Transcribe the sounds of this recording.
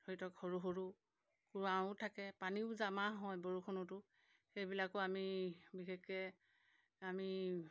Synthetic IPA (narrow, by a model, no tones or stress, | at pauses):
d̥ʱoɹitɔkhoɹuɦoɹu | kuɹaʊ̃tʰakɛpaniʊzamaɦɔjboɹukʰonɔtʊ | xejbilakɔamibixekːɛ | ami